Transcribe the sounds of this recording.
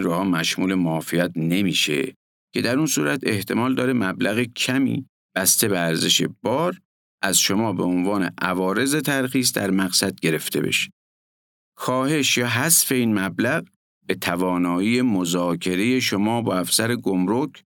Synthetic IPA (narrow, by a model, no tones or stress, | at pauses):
ɾoːhɒːmæʃmuːle̞moːfijæt̪̚ne̞miːʃḛ | cʰe̞d̪æɾunsṵːɾæt̪ʰe̞ht̪ʰe̞mɒːld̪ɒːɾemæblæɣecʰæmḭː | b̥æst̪e̞beæɾze̞ʃe̞̰b̥ɒːɾ | ʔæzʃo̞mɒːbe̞onvɒːne̞̰ʔævɒːɾe̞ze̞t̪ʰæɾxiːs̬d̪æɾmæɣsæd̪̚ɡe̞ɾe̞ft̪ʰe̞be̞̰ʃe̥ | kʰɒːhe̞ʃjɒːɦæsfe̞iːnmæblæɣ | be̞t̪ʰævɒːnɒːiːemozɒːkʰe̞ɾe̞je̞ʃomɒːbɒːæfsæɾeɡomɾokʰ